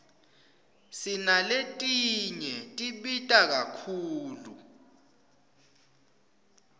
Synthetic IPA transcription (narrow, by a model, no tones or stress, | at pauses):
sinaletʼiɲɛtʼiɓitʼak̬akʰuːlu